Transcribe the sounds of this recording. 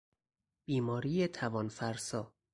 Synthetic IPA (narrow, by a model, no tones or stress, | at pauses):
b̥iːmɒːɾiːjet̪ʰævɒːnfæɾsɒː